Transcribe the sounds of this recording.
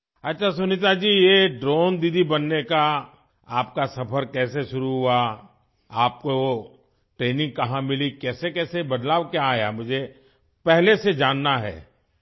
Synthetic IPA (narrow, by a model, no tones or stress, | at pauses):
ɐtːʃʰasʊnɪt̪̬ad͡ʒiːjeɖɾoːnd̪id̪ʱibɐnːeka | aːp̚kasɐpʰəɾkɛːseʃʊɾuɦua | aːp̚koo | ʈɾeːnɪ̃ŋɡ̚kɐɦãmɪlikɛːsekɛːsebɐd̪laːʋkjaaːjamʊd͡ʒʱe | pɛɦlesed͡ʒaːnːaɦɛ̰ː